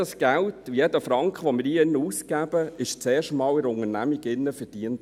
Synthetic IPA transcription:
ɑsɡ̥æltjɛdəfɾɑŋkχəʋɔmɪːɾiɪnːəuskæb̥əɪʃt͡sɛːɾʃtmɑːlɪɾʊŋənæmiɡɪnːəfəd̥iənt

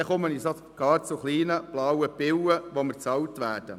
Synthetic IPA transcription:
ɛχɔməniso | ɡ̥ɑːɾt͡suχliːnəb̥lɑwəbɪwəʋɔmət͡sɑwtʋæːɾd̥ə

